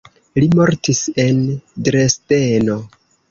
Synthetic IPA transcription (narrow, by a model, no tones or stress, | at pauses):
limo̞ɾtise̞ndɾeste̞no̞